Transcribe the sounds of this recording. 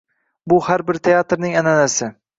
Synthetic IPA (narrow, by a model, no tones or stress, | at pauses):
bʊhaɾbɪɾt̪ʰe̞at̪ɾnɪŋananasɪ